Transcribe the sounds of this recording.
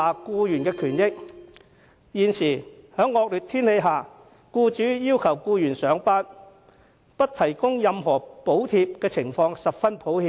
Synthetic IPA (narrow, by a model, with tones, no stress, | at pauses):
aː˨kuː˧jyː˨˩nkɛː˧kʰyː˨˩njɪ˥k̚ | jiː˨nsiː˨˩hœː˨˥ŋːɔː˧k̚lyː˨t̚t̪ʰiː˥nhe˨˧jɦaː˨ | kuː˧t͡ʃyː˨˥jiː˥wkʰɐ˨˩wkuː˧jyː˨˩nsœː˨˧˥ŋpaː˥n | pɐ˥t̚t̪ʰɐ˨˩jkʊ˥ŋjɐ˨mɦɔː˨˩po˨˥wt̪ʰiː˧p̚kɛː˧t͡sʰɪ˨˩ŋfɔː˧ŋsɐ˨p̚fɐ˥npʰo˨˥whiː˧